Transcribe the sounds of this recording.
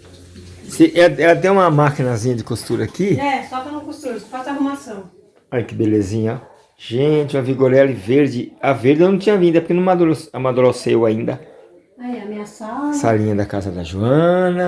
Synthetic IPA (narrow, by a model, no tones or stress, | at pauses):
sɪʔɛlɐɛlɐt̪ẽj̃ũmɐmakinɐzĩɲɐd͡ʒɪkost̪uɾɐakiɛsɔt̪ɐ̃nũkost̪uɾsfasahumasɐ̃w̃ | ɔʎɐkɪbelezĩɲɐ | ʒ̥ẽt͡ʃɪũɐviɡoɾɛlɪveɾd͡ʒɪɐveɾd̪ɪnɐ̃w̃t͡ʃĩɲɐvĩd̪ɐpoɾkenɐ̃mad̪uɾosamad̪uɾosewaĩnd̪ɐ | aiameasasalĩɲɐd̪ɐkazɐd̪ɐʒuɐ̃nɐ